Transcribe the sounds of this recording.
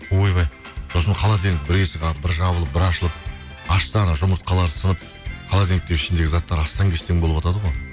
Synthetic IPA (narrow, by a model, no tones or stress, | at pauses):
ojbɑj | so̞sənɑqʰɑlˠɑd̪eŋɪk̚bɪɾeseqʰɑbɪɾʒɑβəlˠəp̚bɪɾɑʃəlˠəp̚ | ɑʃsɑnɑʒʊməɾt̪̚qʰɑlˠɑɾsənəp̚ | qʰɑlˠɑd̪e̞ŋɪk̚t̪eɪʃɪnd̪e̞ɡʲɪzɑt̪ːɑɾɑst̪ɑŋkʲʰest̪eŋboəpɑt̪ɑd̪əʁoj